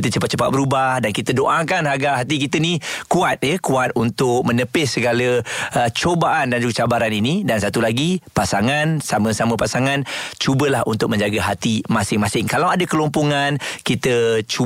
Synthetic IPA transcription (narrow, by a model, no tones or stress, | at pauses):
t̪ət͡ʃəpat̪̚t͡ʃəpa̰t̪̚bəɾubahdankit̪ədoʔakanɦaɡaʔɦat̪ikit̪ənikuat̪̚jəkuat̪̚unt̪ʊk̚mə̃nəpɪssəɡaləət͡ʃobaʔandand͡ʒuɡat͡ʃabaɾaninidansat̪ulaɡipasaŋansamə̃samə̃pasaŋant͡ʃubəlahunt̪ʊk̚mə̃ɲd͡ʒaɡaɦat̪imasɪŋmasɪŋkalawadəkəlompoŋankit̪ət͡ʃu